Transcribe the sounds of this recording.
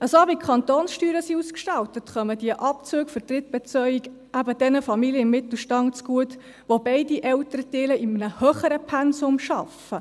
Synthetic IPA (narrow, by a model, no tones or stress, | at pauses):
əsoɑbikʰχɑnt̪oːnsʃtyːɾəsiuskʃtɑlt̪ətχœməd̥iəʔɑp̚t͡søːkfəɾtrɪt̚b̥ɛt͡sœjiɡ | æbəd̥ɛnəfɑmilijəɪmːɪt̪l̩ˠʃtɑŋt͡sɡ̥uət | ʋobɛɪdiʔɛltəɾətɪːləɪmənəhœːχəɾəpʰɛnsʊmʃɑ̰fə